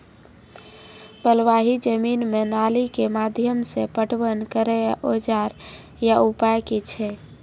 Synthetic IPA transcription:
bəlʋaɦid͡ʒəminmenalikemad̪ʱjəmsẽpəʈʋənkəɾɛʔod͡ʒaɾ | jaupajket͡ʃʰɛ

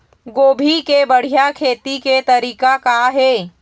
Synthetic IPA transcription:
ɡoːbʱikebəɽ̤ijakʰeːt̪iket̪ɐɾiːkakaɦeː

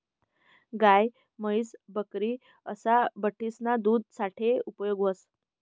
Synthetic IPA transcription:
ɡaj | məjsbəkɾiː | əsabəʈʰːisnad̪uːd̪̚ʱsaʈʰeupjoɡʋəs

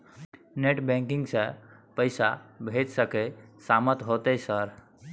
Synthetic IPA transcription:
neʈbɛ̃ŋkiŋɡsə̃pəɪsabʱed͡ʒsəkesamət̪ɦot̪ɛsəɾ

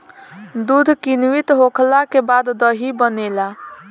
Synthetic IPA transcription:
d̪ud̪ʱkinʋit̪ɦokʰlakebad̪ːəɦibənela

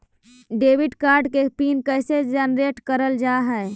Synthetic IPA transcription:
ɖebiɖkaɾɖkepiːnkəjsed͡ʒɛnɾeʈkəɾəld͡ʒaɦɛe

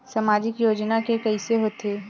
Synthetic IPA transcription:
samaːd͡ʒɪkjoːd͡ʒnakekɛiseɦoːt̪eː

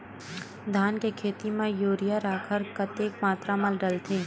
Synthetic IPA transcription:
d̪ʱaːnkekʰeːt̪imẽjoːɾijaɾaːkʰəɾkɐt̪eːkmaːt̪ɾamɐlɖɐlt̪ʰeː

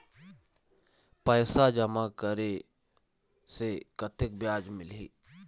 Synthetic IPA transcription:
pəːsad͡ʒəmakəɾe | sekət̪ɪk̚bjaːd͡ʒmɪlɦeː

